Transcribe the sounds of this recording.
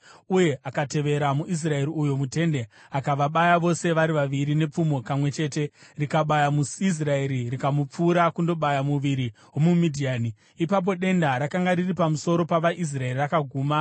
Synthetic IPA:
uje̞ʔakate̞ʋe̞ɾamuʔis̬rae̞ɾiujo̞mute̞nde̞ | akaʋaɓajaʋo̞se̞ʋaɾiʋaʋiɾine̞p͡fumo̞kamwe̞t͡ʃe̞ːte̞rikaɓajamuis̬rae̞ɾirikamup͡fuːɾakundo̞ɓajamuʋiɾiɦwo̞mumidʱiaːni | ipap̬o̞ɗe̞ndaɾakaŋɡaɾiripamuso̞ɾo̞paʋaʔis̬rae̞rirakaɡʱuːma

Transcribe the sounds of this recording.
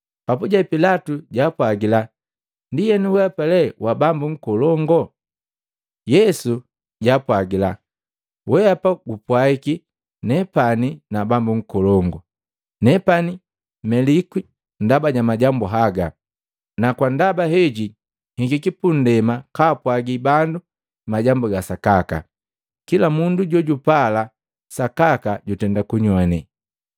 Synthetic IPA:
papuɟapilatuɟapwaɡila | ndijɛnuwɛapalɛwabambuŋ̩kɔlɔŋɡɔ | jɛsu | ɟapwaɡila | wɛapaɡupwaiki | nɛpaninabambuŋ̩kɔlɔŋɡɔ | nɛpani | mɛlikwi | ndabaɟamaɟambuɦaɡa | nakwandabaɦɛɟi | hiŋɡikipun̩dɛmakaːpwaɡibandu | maɟambuɡasakaka̰ | kilamunduɟɔɟupala | sakakaɟutɛndakuɲwani

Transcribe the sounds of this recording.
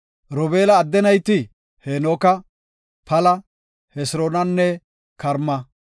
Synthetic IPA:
ɾɔbeːlɐːd̪ːɛnɐjt̪ɪ | henoːkɐ | pʰɐlɐ | hɛsɾoːnɐnːɛ | kɐɾmːɐ

